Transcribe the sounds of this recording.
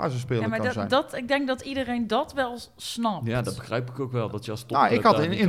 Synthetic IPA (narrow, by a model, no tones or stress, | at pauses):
a̰sospɪːlaəmaɛ̰jndtɪɡ̚dɛŋɡ̚dɔtidərejndɑtʋɛlˠ | snɑpjaːdɔtbəxrɛjpɪkowkʋɛlˠdɔtjəstnaɪkhɑtɪnɪn